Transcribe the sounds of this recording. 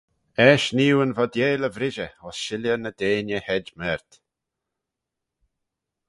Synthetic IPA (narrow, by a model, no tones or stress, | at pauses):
ɛːʃniːwənvɔd̪jeːləvɾɪʒəɔsʃɪljənəd̪eːnjəhɛd͡ʒmɛɾt̪